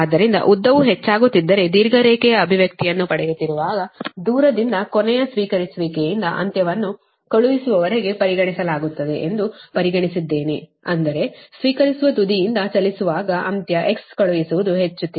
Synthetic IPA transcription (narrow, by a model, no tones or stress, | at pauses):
aːd̪ːɐɾind̪ɐ̰ʔud̪ːɐʋuɦet͡ʃːaːɡut̪ːid̪ːɐɾe̞d̪iːɾɡɐɾɛːkɛjɐːbʱiʋjɐk̚t̪ijɐnːupɐɽɛjut̪ːiɾuʋaːɡɐd̪uːɾɐd̪ind̪ɐkonɛjɐsʋiːkɐɾisuʋikejind̪ɐʔɐ̰nt̪jɐʋɐnːu | kɐɭuʋisuʋɐʋɐɾeɡe̞pɐɾiɡɐɳisɐlaːɡut̪ːɐd̪e̞ʔend̪upɐɾiɡɐɳisid̪ːe̞ːneɐ̰nd̪ɐɾe̞sʋiːkɐɾisuʋɐt̪ud̪ijind̪ɐt͡ʃɐlisuʋaːɡɐʔɐ̰nt̪jɐʔe̞kskɐɭuʋisuʋud̪uɦe̞t͡ʃːut̪ːi